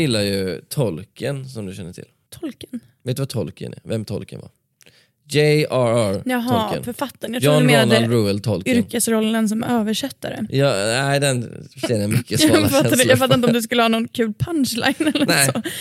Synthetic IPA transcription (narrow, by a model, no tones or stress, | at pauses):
jɪlːajɵt̪ʰɔlkʰənsɔmd̪ɵɕɛnːəʈʰɪ̰lt̪ʰɔlkən | vet̪̚d̪ɵvat̪ʰɔlkʰə̰nɪ̰vɛmt̪ʰɔ̰lkə̰nva̰ɾ | jɛaɾjɑɦ̪aɔlə̰nfœɾfat̪ːanjaɾɔnmeːnanɛlɾuːɛlt̪ʰɔlkʏɾkəsɾɔlːəns̬ɔmøːvəʂɛt̪ːaɾə̰jɑæɪd̪ɛnʃɛd̪amʏkːəsfat̪ːad̪ɛjɑːɡfat̪ːaɾnɔɔmd̪ɵs̬kɵlːəhɑːnɔnkʰʉ̟ːlpʰanʂla̰ɡnɛlːənɛɔ